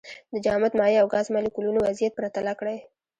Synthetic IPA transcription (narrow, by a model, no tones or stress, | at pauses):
d̪əd͡ʒɑmat̪mɑjeawɡɑzmɑlikulunowazijat̪̚pɾat̪alakɽaj